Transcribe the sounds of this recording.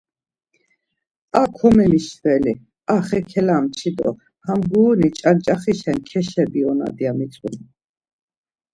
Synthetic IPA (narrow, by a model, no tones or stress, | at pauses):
akʰɔmɛniʃt̪ʰvɛli | aχɛkʰɛlamt͡ʃʰid̪ɔ̰ | hamɡuːnit͡ʃʼant͡ʃʼaχiʃɛnkʰɛʃɛbiɔna̰d̪iamit͡sʼṵn